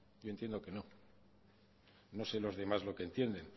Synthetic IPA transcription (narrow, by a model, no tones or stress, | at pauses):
jo̞e̞nt̪je̞nd̪o̞ke̞no̞ | no̞se̞lo̞zðe̞mazlo̞kent̪je̞nd̪e̞n